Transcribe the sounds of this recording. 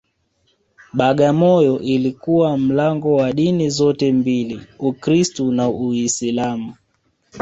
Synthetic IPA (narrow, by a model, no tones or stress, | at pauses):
ɓaɠamɔjɔʔilikuwam̩laŋɡɔwaɗinizɔtɛmbiliukɾistunauisilamu